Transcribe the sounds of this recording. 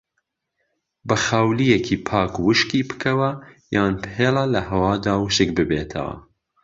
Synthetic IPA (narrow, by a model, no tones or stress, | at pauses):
bɐxawlijekʰiːpʰɑːkwɨʃkiːpɨ̥kʰɐwɐjaːnpheːlɐlɐhɐwɑːd̪aːwʃɨkbɨbeːt̪ʰɐ̰wɐ̰